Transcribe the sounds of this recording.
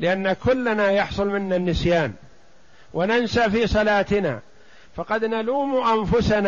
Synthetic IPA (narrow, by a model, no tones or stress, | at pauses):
lɪʔanːakʊlːanajɑħsˤʊlmɪnːanːɪsjaːn | wanansafiːsˤɑlaːt̪ɪna̰ | fɑqɑd̪naluːmʔanfʊsana